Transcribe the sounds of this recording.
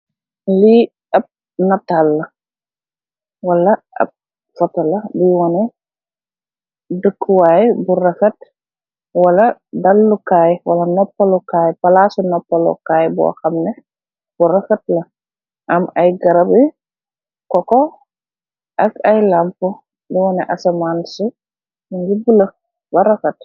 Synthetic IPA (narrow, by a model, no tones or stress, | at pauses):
li | ɐb̚ | nɐtːalːɐ | wɐlːɐʔɐ̰b̚ | fɔtɐlɐdiwɔnɛ | dəkːwaːjɛburɐfɐt | wɐlɐdɐlːukaːjwɐlɐnɔpːɐlukaːjpɐlasunɔpːɐlɔ̰kaːjbɔ̰xɐmnɛ | b̥uɾɐfɐt̚lɐ | ʔɐmɐjɡɐɾɐbi | kɔkɔ | ʔɐkɐjlampu | diwɔnɛʔasɐmaːnsu | mɲɡibulə | bɐɾɐfɐt